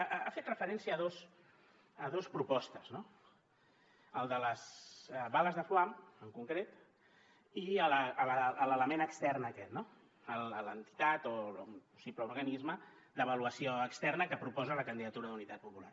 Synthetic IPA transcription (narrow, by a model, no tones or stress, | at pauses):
afet̪rəfəɾɛnsiəðos | əðospɾupɔst̪əzno | əlˠd̪ələzəβaləzðəfluaməŋkuŋkɾet̪ | iələələələləmenəkst̪ɛrnəkɛt̪no | əlˠələnt̪i̥t̪at̪oumpusipləuɾɣənizmə | d̪əβəluəsioəkst̪ɛrnəkəpɾupɔzələkənd̪iðət̪uɾəðunit̪at̪̚pupula̰r